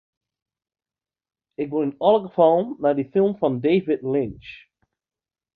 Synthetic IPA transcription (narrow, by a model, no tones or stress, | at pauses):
ɪk̚wɪlˠɪnɔlˠəɡəfɔlˠnadifɪlˠmfɔ̃ndeɪvɪdlɪ̃nt͡ʃ